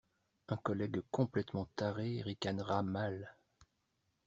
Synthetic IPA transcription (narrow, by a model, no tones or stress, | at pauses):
ɛ̃kɔlɛɡkɔ̃plɛt̪mɑ̃t̪aʁeʁikanʁamal